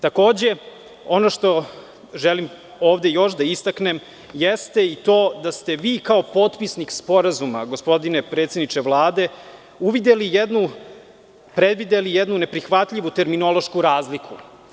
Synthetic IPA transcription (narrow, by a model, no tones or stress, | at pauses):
t̪ako̞ːd͡ʑe̞ | o̞noʃt̪o̞ | ʒɛlim | oːʋd̪e̞jo̞ʃd̪aist̪akne̞m | jɛst̪eit̪o̞ːd̪ast̪e̞ʋiːkao̞po̞ːt̪pisnikspo̞ɾazumaɡo̞spo̞d̪ine̞pɾet̪se̞d̪nit͡ʃeʋlˠaːd̪e̞ | uʋid̪elijɛd̪nu | pɾed̪ʋid̪elijɛd̪nune̞pɾixʋat̪ʎʲiʋut̪e̞ɾmino̞lˠo̞ʃkuɾaːzlikʰu